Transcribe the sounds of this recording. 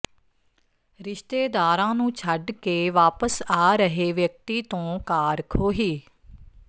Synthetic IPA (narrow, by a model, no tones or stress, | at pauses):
ɾɪʃt̪eːd̪aːɾãːnũːt͡ʃʰəɖkeːʋaːpəsaːɾəɦeːʋjək̚t̪iːt̪õːkaːɾkʰoːɦiː